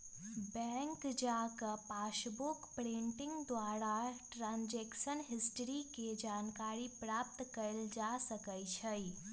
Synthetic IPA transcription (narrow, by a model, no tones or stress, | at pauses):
bɛ̃ːŋkd͡ʒakapaːʃbʊkpɾẽɳʈɪ̃ŋɡd̪waːɾaʈɾãːnd͡ʒeːkʃənɦɪsʈɾiked͡ʒaːnkaːɾipɾaːp̚t̪kəɪld͡ʒasəkəjt͡ʃʰəi